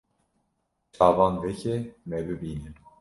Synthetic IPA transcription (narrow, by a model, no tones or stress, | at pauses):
t͡ʃʰɑːvɑːnd̪ɛcʰɛmɛbɨbiːnɨm